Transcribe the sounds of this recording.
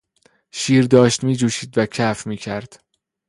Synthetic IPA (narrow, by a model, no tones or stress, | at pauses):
ʃiːɾd̪ɒːʃt̪miːd͡ʒuːʃiːd̪væcʰæfmiːcʰæɾd̪̥